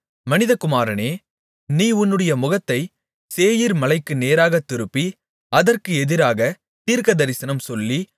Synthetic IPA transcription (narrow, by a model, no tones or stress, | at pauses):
mɐnɪðɐkʊmaːɾɐneː | niːʊnːɯɽɐjɐmʊɣɐt̪ːɐɪ | seːjiɾmɐlɐɪkːɯneːɾaːɣɐt̪ːɪɾɯpːi | ɐðɐrkɯɛðɪɾaːɣɐ | t̪iːɾkɐðɐɾɪsɐnɐmsɔlːi